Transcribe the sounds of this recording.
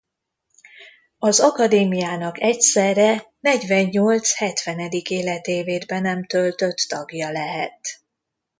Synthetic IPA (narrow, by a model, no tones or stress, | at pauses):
ɒzɒkɒd̪eːmijaːnɒkɛcsɛrɛnɛɟʋɛɲːo̞lt̪shɛt̪ʋɛnɛd̪ikeːlɛt̪eːveːd̪bɛnɛmt̪ø̞lt̪øt̪ːɒɡjɒlɛɦɛt̪